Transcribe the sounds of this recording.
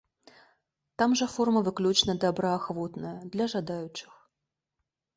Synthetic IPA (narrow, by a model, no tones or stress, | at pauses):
t̪amʐɐfɔrmɐvɨklʲut͡ʃnɐd̪abɾɐaxvɔt̪nɐjɐd̪lʲɐʐad̪ajʊt͡ʂɨ̥x